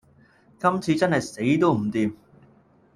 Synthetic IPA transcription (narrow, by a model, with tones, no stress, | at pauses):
kɐ˥mt͡sʰiː˧t͡sɐ˥nɦɐ˨jse˨˥jt̪o˥wm̩˨˩t̪iː˨m